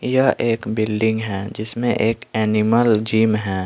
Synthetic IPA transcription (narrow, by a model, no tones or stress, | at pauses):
jəɦʔeːkbɪlɖɪ̃ŋɡɦɛd͡ʒɪsmẽʔeːkɛːnɪməld͡ʒiːmɦɛ̃